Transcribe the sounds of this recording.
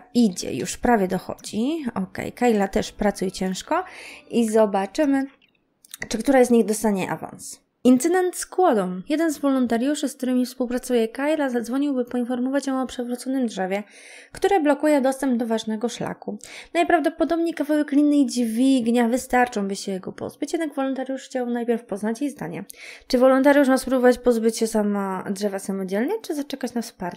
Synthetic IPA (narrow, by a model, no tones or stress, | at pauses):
id͡ʑɛ̰jṵʂpɾavʲjɛd̪ɔxɔ̰d͡ʑiɔkɛ̰jkajlat̪ɛʂpɾat̪sujt͡ɕɛ̃w̃ʂkɔizɔbat͡ʂɘmɘ | t͡ʂɘkt̪uɾazɲiɣd̪ɔst̪aɲɛʔa̰va̰ns | int̪sɘd̪ɛnt̪skwɔd̪ɔ̃wjɛd̪ɛnzvɔlɔnt̪aɾjuʂɘskt̪uɾɘmʲifspuwpɾat̪sujɛkajlazad̪zvɔɲiwbɘpɔinfɔɾmɔvat͡ɕjɔ̃w̃ɔpʂɛvɾut̪sɔnɘmd̪ʐɛvʲjɛ | kt̪uɾɛblɔkujɛd̪ɔst̪ɛmbd̪ɔvaʐnɛɡɔʂla̰kunajpɾavd̪ɔpɔd̪ɔbɲejkavawɛklʲinːɘid͡ʑvʲiɡɲavɘst̪aɾt͡ʂɔ̃w̃bɘɕɛjɛɡɔpɔ̰zbɘt͡ɕjɛd̪naɡvɔlɔnt̪aɾjuʂxt͡ɕawnajpʲɛɾfpɔznat͡ɕjejzd̪a̰ɲɛt͡ʂɘvɔlɔnt̪aɾjuʂmaspɾubɔvat͡ɕpɔzbɘt͡ɕɕɛsamɔdʐɛvasamɔd͡ʑɛlɲɛt͡ʂɘzat͡ʂɛkat͡ɕnafspaɾ